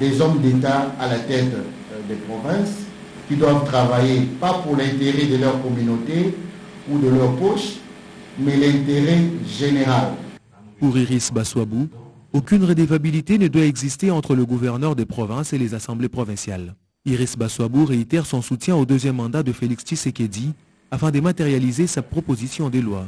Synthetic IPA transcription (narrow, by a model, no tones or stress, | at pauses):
d̪ɛzɔmd̪et̪aːlat̪ɛt̪ | d̪ɛpχɔvɛ̃s | kʲid̪wavt̪χavajepapuʁlɛ̃t̪eʁɛd̪əlœʁkɔmynot̪e | ud̪əlœʁpɔʃ | mɛlɛ̃t̪eʁɛʒeneʁal | puʁiʁisbaswabu | okʲynʁed̪evabilit̪enəd̪waɛɡzist̪eɑ̃t̪χələɡuvɛʁnœʁd̪epχɔvɛ̃selezasɑ̃blepχɔvɛ̃sjal | iʁisbaswabuʁeit̪ɛʁsɔ̃sut̪jɛ̃od̪øzjɛmːɑ̃d̪ad̪əfelikst͡ʃisekʲed̪i | afɛ̃d̪əmat̪eʁjalizesapχɔpozisjɔ̃d̪elwa